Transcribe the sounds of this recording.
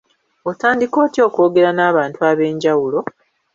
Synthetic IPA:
otaːndiko̞ːtjo̞ːko̞ːɡe̞ɾanaːβaːntuaβe̞ːɲɟawulo̞

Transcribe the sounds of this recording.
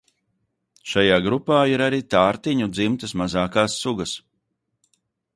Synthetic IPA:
ʃajaːɡɾupaːiɾaɾiːt̪aːɾt̪iɲud̪zimt̪əsmazaːkaːsːuɡɐs

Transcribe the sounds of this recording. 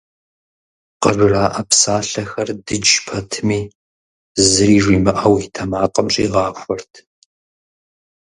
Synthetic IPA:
qəʒʷɪraːʔɐpsaːɬɐxɐrdɨd͡ʒpʰɐtʰɨmiː | zɨɾiːʒiːmɨʔɐwitʰɐmaːqʼɐmɕʼḭːʁɑːxʷɔrtʰ

